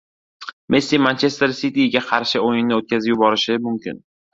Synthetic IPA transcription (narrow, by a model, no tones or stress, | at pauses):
mʔesːimant͡ʃʰe̞st̪e̞ɾsit̪iɡʲaqʰɑɾʃɪojɪnːɪot̪̚kʲazɪjʊbɒɾɪʃɪmʊmkʲɪ̰n